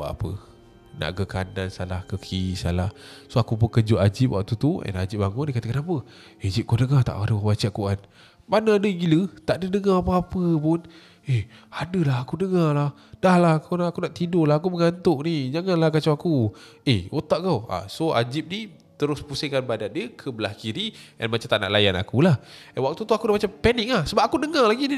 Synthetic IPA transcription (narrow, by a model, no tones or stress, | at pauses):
wa̰ʔa̰pə̰ | na̰ʔɡəkanansalahkəkʰisa̰lahsoakupənkəd͡ʒʊʔad͡ʒɪp̚wa̰ʔ̚t̪ut̪ua̰nad͡ʒɪp̚baŋʊndikat̪əkanapə | ed͡ʒip̚kodəŋat̪a̰ʔadəwabat͡ʃaʔkuan | banəadəɡilət̪aʔdədəŋaapəapəpʊn | eadəlaɦakudəŋalah | d̥ahlaɦkunakunaʔt̪idolaɦakuməŋant̪ʊʔnid͡ʒaŋanlakat͡ʃaakueot̪aʔkawa̰soa̰d͡ʒip̚ni | t̪əɾʊspusɪŋkanbadat̪̚diəkʰəbəlahkiɾia̰nmat͡ʃamt̪aʔna̰ʔlajana̰kulahəwak̚t̪ut̪uakudamat͡ʃampɛnɪk̚lahsəbap̚akunəŋalaɡini